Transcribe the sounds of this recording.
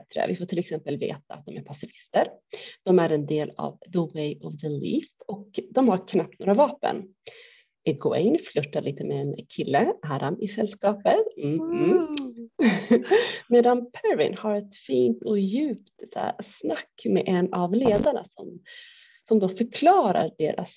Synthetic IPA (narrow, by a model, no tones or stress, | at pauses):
t̪ɾə̰vɪfoːʈʰɪlɛksɛmpəlvḛːt̪aa̰t̪̚d̪ɔmæɾpʰasɪfɪst̪əɾd̪̥ɔmæɾɛnd̪eːla̰vðəwejɔvðəlḭːfɔkd̪ɔmhaɾkʰnap̚t̪noːɾavɑːpə̰n | ɛɡʊɛ̰ɪnflɵt̪ːaɭiːt̪əmɛɛnkʰɪlːəʔaːɾʔamɪsɛlːskɑːpət̪ | meːd̪anpʰɛɾvɪ̰nhaɾɛt̪fiːnt̪ɔjʉ̟ːpt̪snakːmɛʔɛnavleːd̪aɳa̰sɔm | sɔmd̪oːfœɾkʰlɑːɾa̰ɾɖḛːɾʔa̰s